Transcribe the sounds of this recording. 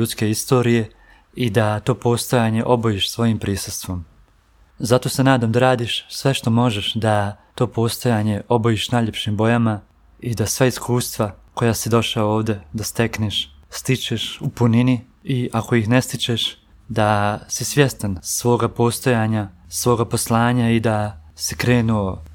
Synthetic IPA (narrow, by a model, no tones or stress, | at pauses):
ut̪ske̞ist̪o̞ːɾije̞ | id̪at̪o̞ːpo̞st̪o̞jaːɲe̞ʔo̞bojiːʃsʋo̞jimpɾiːsust̪ʋo̞m | zat̪o̞senaːd̪amd̪aɾaːd̪iʃsʋe̞ʃt̪o̞mo̞ʒeʃd̪at̪o̞ːpo̞ːst̪o̞jaːɲe̞ʔo̞bojiːʃnaːjʎe̞pʃimbo̞jama | id̪asʋaiskuːst̪ʋako̞jaːsid̪o̞ʃaoːʋd̪e̞d̪ast̪e̞kneʃst̪it͡ʃeʃupunini | iʔako̞ixne̞st̪it͡ʃeʃ | d̪asisʋje̞st̪ansʋo̞ːɡapo̞st̪o̞jaːɲasʋo̞ːɡapo̞slˠaːɲaid̪asikɾe̞ːnuo